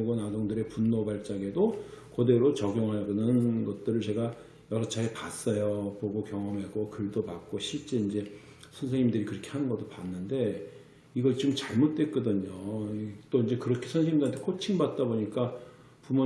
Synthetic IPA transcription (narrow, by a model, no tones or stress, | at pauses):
ɡonadoŋdɯɾe̞punːobaɭt͡ɕ͈aɡe̞dokode̞ɾot͡ɕʌɡjoŋɦaɭɡɯnɯnɡʌt̚t͈ɯɾɯɭt͡ɕe̞ɡa | jʌɾʌt͡ɕʰaepas͈ʌjopoɡokjʌŋʌmeɡokɯɭdopak̚k͈oɕʰiɭt͡ɕ͈e̞ind͡ʑe̞ | sʰʌnsʰeŋɲimdɯɾikɯɾʌkʰe̞hanɯnɡʌt͈opanːɯnde̞ | iɡʌt͡ɕɯmt͡ɕaɭmot̚t͈we̞k͈ʌdɯɲot͈oind͡ʑe̞kɯɾʌkʰe̞sʰʌns̬ʰeŋimdɯɾantʰekʰot͡ɕʰiŋbat̚t͈aboɲik͈a | pumo